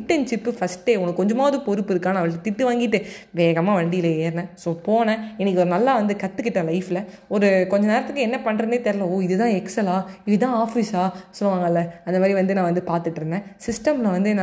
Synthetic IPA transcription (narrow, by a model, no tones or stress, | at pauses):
ɪʈːɛnt͡ʃɪpːɯfɐsʈːeːɔŋɐkːkɔɲd͡ʒɐmaːðɯpɔɾɯpːɯɪɾɯkːaːnɐ̃ɐʋɐɭkːɯt̪ɪʈːɯʋaːŋɡɪʈːɯʋeːɣɐmaːʋɐɳɖɪjɪleeːɾnɐ̃soːpoːnɐ̃ɛnːɛkːɔɾɯnɐlːaːʋɐnd̪ɯkɐt̪ːɯkːɪʈːɐlɐɪfɪlɐ | ɔɾɯkɔɲd͡ʒɐneːɾɐt̪ːɯkːɯɛnːɐpɐɳːɾɯnd̪eːt̪ɛɾɪlɐ̃oːɪðɯt̪ãːɛksɛlaːɪʋit̪̬ãːaːfisaːsɔlːɯʋaːŋɡɐɪlːɐɐnd̪ɐmaːd̪ɾiʋɐnd̪ɯnãːʋɐnd̪ɯpaːɾt̪ɯʈːɾɯnd̪ɐ̃sɪsʈɐmnãʋɐnd̪ɯna